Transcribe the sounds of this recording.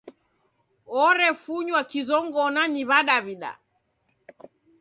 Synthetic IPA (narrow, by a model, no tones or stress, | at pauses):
ɔɾɛfuɲwakizɔŋɡɔnaniβaɗaβiɗa̰